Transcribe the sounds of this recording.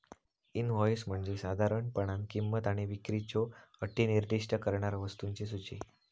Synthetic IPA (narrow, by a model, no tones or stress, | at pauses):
inʋɔjsm̤əɳd͡ʑesad̪ʱaɾəɳpəɳ̃ankimːət̪aɽ̃iʋikɾit͡ɕoəʈʰiniɾd̪iʂʈəkəɾɳaɾʋəst̪uɲt͡ɕes̬ut͡ɕi